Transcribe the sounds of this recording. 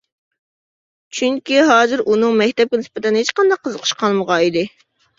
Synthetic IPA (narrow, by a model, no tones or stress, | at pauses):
t͡ʃʰyŋkʲiɦɑːzɨɾʔunɨŋmɛkʲt̪ɛp̚kʲɛnɪspɪt̪ɛnɦet͡ʃqɑnd̪ɑqʰːəzəqʰə̥ʃqʰɑlˠməʁɑid̪ɪ